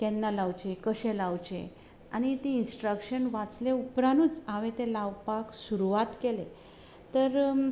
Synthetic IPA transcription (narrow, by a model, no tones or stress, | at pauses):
kɛnːalaʋt͡ɕekəɕɛ̃lawt͡ɕḛ | añit̪iinsʈɾəkɕənʋat͡sleupɾanuːt͡saʋẽt̪elaʋpaksuɾuʋat̪kele | t̪əɾ